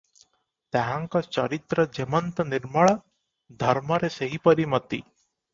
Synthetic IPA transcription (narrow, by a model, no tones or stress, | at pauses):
t̪ɛɦãŋkɔt͡ʃɔɾit̪ɾəd͡ʒemənt̪əniɾməɭ | d̪ʱɐɾmɔɾeseɦipəɾimət̪i